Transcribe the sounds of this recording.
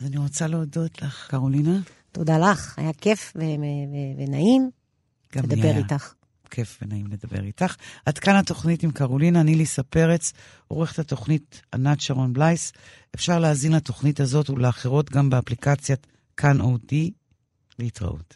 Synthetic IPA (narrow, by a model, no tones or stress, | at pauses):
azaniʁot͡saleodo̞tlaχkaʁolina | todalaχajakefveevevenaim | ɡ̥alemd̪abejʁitaχ | kʰe̞fvenaimledabe̞̰ʁitaχadkanato̞χnitimkaʁolinanilisape̞ʁet͡s | oʁeχetato̞χnita̰natt͡ʃeʁonblajs | efʃaʁleazinlato̞χnitazo̞tuleaχeʁo̞tɡambeaplikat͡sja | kʰanʔodi | leitʁa̰ʔṵt